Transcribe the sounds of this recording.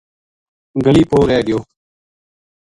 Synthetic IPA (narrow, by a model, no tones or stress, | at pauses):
ɡəliːpʰoːɾɛːɗɪjoː